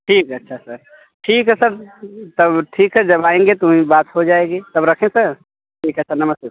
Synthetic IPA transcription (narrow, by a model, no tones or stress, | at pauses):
ʈʰiːkətːʃʰasəɾ | ʈʰiːkɦɛsəɾt̪əbʈʰiːkɦɛd͡ʒəbaẽŋɡet̪oɦĩbat̪ɦod͡ʒaeɡet̪əbɾəkʰẽsəɾ | ʈʰiːkəːʃʰanəməst̪es